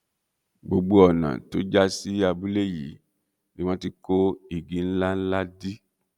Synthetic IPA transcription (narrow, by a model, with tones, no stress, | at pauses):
ɡ͡bo˧ɡ͡bo˧˦ɔ˨nã̰˨to˦d͡ʒa˦si˦a˧bu˦le˦˨jḭ˨˦ | nĩ˨˦w̃ɔ̃˦ti˧ko˦i˨ɡĩ˨˦n̩˦la˦n̩˦la˦di˦